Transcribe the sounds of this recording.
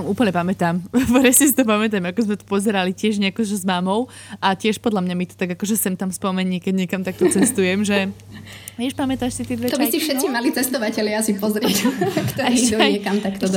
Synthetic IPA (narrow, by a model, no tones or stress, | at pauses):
muːpl̩ɲɛpamɛt̪aːmpɛɾɛsisit̪ɔpamɛt̪̬amakɔzmɛt̪ɔ̥pɔzɛɾalicɪɛʒɲɛakɔʒɛzmaːmɔʊ | ʔacɪɛʃpɔd̪ʎamɲamit̪ɔ̥t̪aɡakɔʒɛsɛmt̪amspɔmɛɲiːkɛɟɲɛkamt̪ak̚t̪ɔt͡sɛst̪ujɛmʒɛ | ʋɛʃpamɛt̪aːʃsit̪ɪɛd̪ʋɛt̪ɔiscifʃɛt̪t͡simalit͡sɛst̪ɔʋacɛlɪaasipɔzɾɪɛkt̪ɔaɾiɲɛkamt̪akt̪ɔd̪